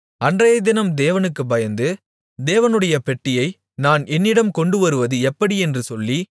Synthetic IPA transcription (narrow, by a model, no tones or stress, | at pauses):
ɐndrɐjɐd̪ɪnɐmd̪eːʋɐnɯkːɯbɐjɐnd̪ɯ | d̪eːʋɐnɯɽɐjɐpɛʈːɪjɐɪ | naːnɛnːɪɽɐmkɔɳɖɯʋɐɾɯʋɐðɯɛpːɐɽiɛndrɯsɔlːi